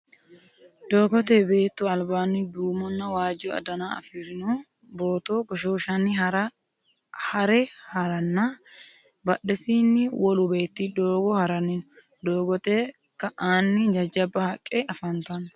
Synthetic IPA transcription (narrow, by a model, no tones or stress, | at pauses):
d̪̥o̞ːɡɔt̪eːbe̞ːt̪ːʊɐlbaːnːɪd̪uːmɔnːɐwaːd͡ʒɔɐ̰d̪ɐnaːɐ̰fɪɾɪnoː | bo̞ːt̪oːɡɔʃoːʃɐnːɪɾ | hɐɾɛhɐɾɐnːa | bɐɗɛsiːnːɪwɔlʊbe̞ːt̪ːid̪oːɡɔhɐɾɐnɪnʊ | d̪o̞ːɡɔt̪eː | kɐʔaːnːɪd͡ʒɐd͡ʒɐbːɐhɐkʼːeɐfɐnt̪ɐn